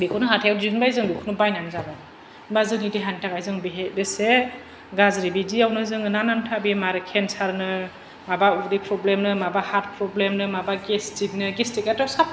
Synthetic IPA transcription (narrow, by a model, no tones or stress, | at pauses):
bekʰɔnɯɦatʰajawziɯnbajzɯŋlukʰɯnɯbajnanzaba | bazɯŋnideɦantʰakajzɯŋbeɦedese | ɡazɾibidiawnɯzɯŋɯnanantʰabimaɾɯkʰensaɾnɯ | mabaudipʰɾɔblemnɯmabahat̚pʰɾɔblemnɯmabaɡestik̚nɯɡestikatɔsap̚